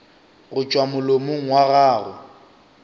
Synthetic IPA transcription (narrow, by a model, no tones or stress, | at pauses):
ɣʊt͡ʃʼwamʊlomʊŋ̩waɣaːɣʊ̰